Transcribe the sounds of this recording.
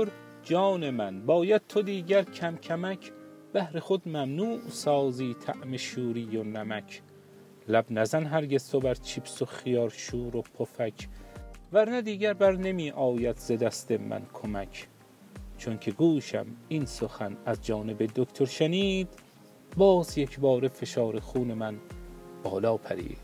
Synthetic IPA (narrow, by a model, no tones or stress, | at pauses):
oɾ | d͡ʒɒːne̞mænbɒːjæd̪̥̚t̪ʰod̪iːɟæɾkʰæmcʰæmæcʰ | b̥æhɾe̞χod̪mæmnuːʔsɒːziːt̪ʰæʔme̞ʃuːɾiːjonæmækʰ | læbnæzænɦæɾɟe̞z̥t̪ʰobæɾt͡ʃʰibsoχijɒːɾʃuːɾopʰofækʰvæɾnæd̪iːɟæɾbæɾne̞miːʔɒːjæd̪z̥ed̪æst̪emæ̰nkʰomækʰ | t͡ʃʰoŋkʰe̞ɡuːʃæ̰minsoxænæzd͡ʒɒːne̞be̞d̪okt̪ʰoɾʃæniːd̪̥ | bɒːzjekʰbɒːɾefe̞ʃɒːɾeχuːnemænb̥ɒːlɒːpʰæ̰ɾḭːd̪̥